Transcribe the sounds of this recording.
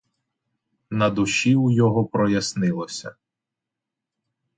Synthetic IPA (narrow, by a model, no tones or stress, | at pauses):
nɐd̪ʊʃiujɔɦɔpɾɔjɐsnɪlˠɔsʲɐ̰